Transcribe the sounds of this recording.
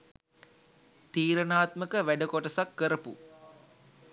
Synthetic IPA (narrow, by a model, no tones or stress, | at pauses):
t̪iːɾənaːt̪məkəʋæɖəkoʈəsakːəɾəpṵ